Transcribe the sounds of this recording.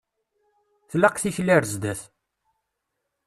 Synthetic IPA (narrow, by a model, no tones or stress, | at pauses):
θlæqθiçlæɾzd̪æθ